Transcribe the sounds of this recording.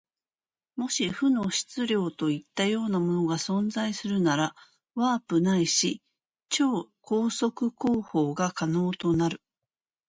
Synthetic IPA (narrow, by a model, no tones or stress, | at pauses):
mo̞ɕiɸɯ̟no̞ɕi̥t͡sɨɾʲo̞ːt̪o̞it̪ːajo̞ːnamo̞no̞ɡasõ̞nd͡zaisɨɾɯ̟naɾa | βaːpɯ̟naiɕi | t͡ɕo̞ːko̞ːso̞kɯ̟ko̞ːho̞ːɡakano̞ːt̪o̞naɾɯ̟